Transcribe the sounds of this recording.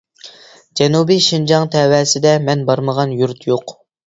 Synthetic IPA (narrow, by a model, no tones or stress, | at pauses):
d͡ʒɛnubiʃind͡ʒɑŋt̪ʰɛwɛːsɪd̪ɛmɛnbɑɾməʁɑnjuɾt̪ʰjoq